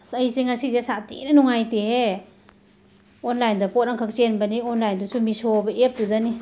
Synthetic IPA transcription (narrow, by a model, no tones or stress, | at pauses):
sajsiŋasizesatḭnanuŋajtehe | ɔnlajndɐpɔt̚ɾaŋkʰak̚senbɐniɔnlajndusumisɔbɐʔep̚dudani